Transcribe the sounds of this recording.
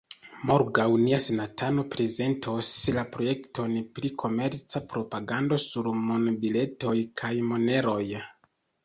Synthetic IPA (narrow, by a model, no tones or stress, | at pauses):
moɾɡawniasenatʰano̞pɾe̞ze̞ntʰoslapɾo̞je̞kto̞npɾikʰo̞me̞ɾt͡sapɾo̞paɡando̞suɾmonobile̞to̞jkʰajmo̞ne̞ɾo̞j